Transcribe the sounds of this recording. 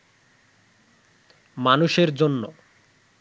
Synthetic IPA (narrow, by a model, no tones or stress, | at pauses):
manuʃeɾd͡ʑonːo̰